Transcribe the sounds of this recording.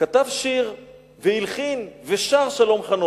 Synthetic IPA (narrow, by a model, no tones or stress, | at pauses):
kat̪avʃiʁ | veilχinveʃaʁʃalo̞mχano